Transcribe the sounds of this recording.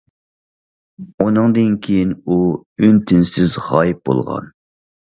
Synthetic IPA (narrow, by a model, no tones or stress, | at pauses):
unɨŋd̪ɨnkʲʰejinuynt̪ʰɪnsɪzʁɑjp̚bo̰lˠʁɑ̰n